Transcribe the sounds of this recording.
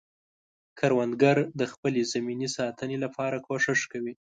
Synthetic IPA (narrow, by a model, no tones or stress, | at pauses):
kʰaɾwand̪ɡaɾd̪əxpəlezaminisɑt̪ənelapʰɑɾakʰoʂɪʂkawi